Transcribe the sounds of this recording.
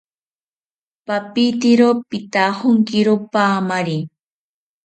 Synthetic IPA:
papit̪ɪɾopɪt̪ahʊŋkɪɾopaːmaɾi

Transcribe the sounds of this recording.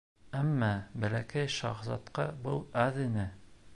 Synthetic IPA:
æmːɑbælækæjʃɑ̰ʁzɑ̰t̪qɑbɤlˠæðɘ̆nɘ

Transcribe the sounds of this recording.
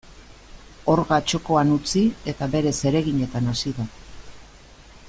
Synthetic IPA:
o̞ɾɣat͡ʃo̞ko̞anut͡sie̞t̪aβe̞ɾe̞se̞ɾe̞ɣiɲe̞t̪anasiða

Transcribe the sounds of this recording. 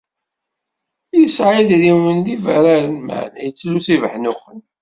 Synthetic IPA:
jəsʕiðɾiwənd̪ivəɾaɾənma̰ʕnæ̰jət͡sːlːuθivəħnʊqːən

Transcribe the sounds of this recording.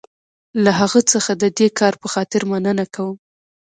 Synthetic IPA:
laɦaɣət͡səxad̪əd̪ekɑɾpəxɑt̪ɪɾmanənakawəm

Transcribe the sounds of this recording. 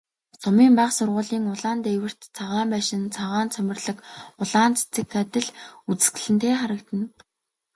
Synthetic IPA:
sʊmiːmpaqsʊrʁʊːɮiːŋʊɮaːnt̪ewɘ̆r̥t̪t͡sʰaʁaːmpæːʃɪ̆nt͡sʰaʁaːnt͡sʰœmʲɪ̆rɮə̆kʊɮaːnt͡se̥t͡sɘ̆kːat̪ɘ̆ɮut͡sɘ̥̆ɡɘ̆ɮɘ̆nt̪ʰeːχaɾə̆kt̪ə̆n

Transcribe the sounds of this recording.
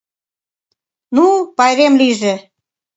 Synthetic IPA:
nupɑjɾemliʒĕ

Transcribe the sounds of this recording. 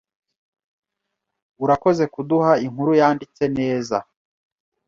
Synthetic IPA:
uɾako̞ze̞kuduhaiŋ̥huɾujaːndit͡se̞ne̞ːza̰

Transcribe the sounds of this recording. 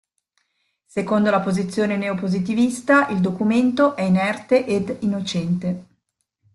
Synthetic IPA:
sekond̪olapozit̪sːjoːneneopozit̪ivist̪aʔild̪okument̪oʔɛinɛrt̪eʔed̪inːot͡ʃɛnt̪e

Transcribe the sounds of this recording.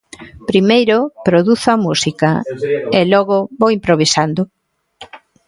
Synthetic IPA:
pɾimejɾʊpɾoðuθoamusikɐelɔɣʊbβowimpɾoβ̞isand̪ʊ

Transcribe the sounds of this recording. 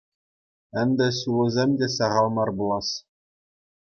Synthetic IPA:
ɘ̆mʲd̪ʲɘ̆sulˠɘ̆zʲemʲdʲesɑʁɑlˠmɑrbulˠɑs

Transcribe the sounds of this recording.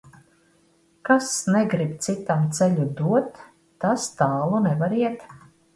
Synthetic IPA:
kasnɛɡɾib̚t̪sit̪amt̪sɛlʲud̪uɔt̪ː | ast̪aːlˠunɛvaɾiɛt̪

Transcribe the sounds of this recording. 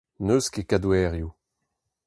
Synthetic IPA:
nøskekadwɛːʁju

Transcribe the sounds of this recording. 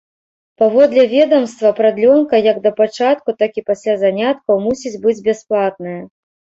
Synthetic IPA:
pavɔd̪lʲɛvʲɛd̪ɐmst̪vɐpɾad̪lʲɔnkɐjɐɡd̪ɐpat͡ʂat̪̚kut̪akʲipasʲlʲazanʲat̪̚kɐwmusʲid͡zʲbɨd͡zʲbʲɛsplˠat̪̚nɨjɐ

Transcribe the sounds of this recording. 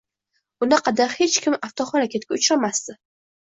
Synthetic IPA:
ʊnɪqʰɑd̪aɾhe̞t͡ʃkʲʰɪmaft̪ʰɒχɒɾakʲʰet̪̚kʲaʊt͡ʃɾamast̪ɪ

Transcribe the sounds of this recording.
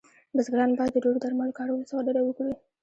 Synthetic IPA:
bəzɡɾɑnbɑjad̪ːəɖoɽod̪aɾmalokɑɽawlosd̪əɾawəkɽi

